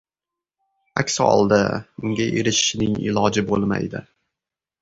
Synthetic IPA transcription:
akʲsɒ̰lˠd̪a̰ʊŋɡʲaʔeɾɪʃʃnɪŋɪ̰lɒd͡ʒɪbolˠma̰jd̪ɪ̰

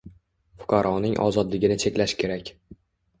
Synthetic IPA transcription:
fʊ̥qʰɑɾʔɒnɪŋʔɒ̰zɒd̪lɪɡʲɪnɪt͡ʃʰe̞kʲlaʃkʲʰe̞ɾakʲ

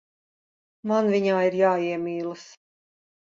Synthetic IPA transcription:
manviɲaːiɾjaːiɛmʲiːlˠɨs

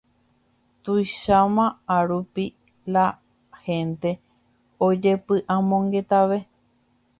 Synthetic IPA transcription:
t̪ujʃamãaɾupi | la | hẽ̞nt̪e̞ | od͡ʒe̞pɨʔãmõŋɡe̞t̪aʋe̞

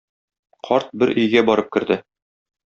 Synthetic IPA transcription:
qʰɒɾt̪̚bɘɾʔɵ̆jɡæbɒɾɤp̚kɘ̆ɾd̪ɘ

